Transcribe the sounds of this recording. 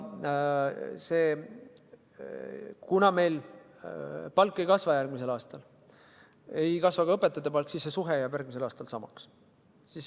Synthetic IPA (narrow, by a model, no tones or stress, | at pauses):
se̞ː | kunɑme̞jl | pɑlkːˑejkɑsvɑjærɡ̥mis̬e̞lɑːst̪ɑl | ejkɑsvɑɡ̥ɑɤpːˑe̞t̪ːˑɑt̪ːepɑlkːsisːesuɦejɑbjæɾɡmis̬e̞lɑːst̪ɑlsɑmɑks | sis